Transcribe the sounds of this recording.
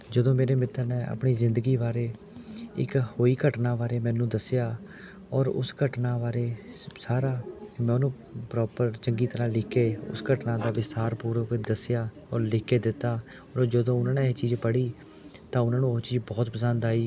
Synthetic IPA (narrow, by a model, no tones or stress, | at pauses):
d͡ʒəd̪õːmeːɾeːmɪt̪ʰːəɾnɛ̃ːa̰pɳiːzɪ̃nd̪əɡiːʋaːɾeː | ɪ̰khoːiːkəʈnaːʋaːɾeːmɛ̃ːnũːd̪əsɪjaː | ɔːɾʊ̰skəʈnãːʋaːɾeːsaːɾaːmɛ̃ːʊnũː | pɾɔːpəɾt͡ʃəŋɡiːt̪əɾãːlɪkʰːeːʊ̰skəʈnãːd̪aːʋɪst̪aːɾpuːɾəd̪əsɪjaː | ɔːɾlɪkʰːeːd̪ɪt̪ːaː | ɔːɾd͡ʒəd̪õːʊnãːnẽːt͡ʃiːd͡ʒpəɽiː | t̪ãːʊnãːnũːet͡ʃiːd͡ʒbɔːt̪pəsənd̪aːiː